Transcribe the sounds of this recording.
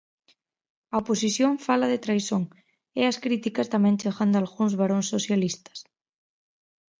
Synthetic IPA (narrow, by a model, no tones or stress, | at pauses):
ɐoposiθjoɱfalɐðet̪ɾajsoŋ | eɐskɾit̪ikɐst̪amɛ̃ŋt͡ʃeɣand̪oalɣuŋzβaɾoŋsosjalist̪ɐ̥s